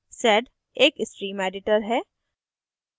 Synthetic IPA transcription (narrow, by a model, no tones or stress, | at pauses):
sɛɖ | eːkɪsʈɾiːmɛːɖɪʈəɾɦɛː